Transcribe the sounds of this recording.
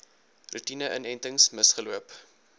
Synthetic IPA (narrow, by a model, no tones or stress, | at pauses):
rutinəʔənɛntəŋsməsχəluəp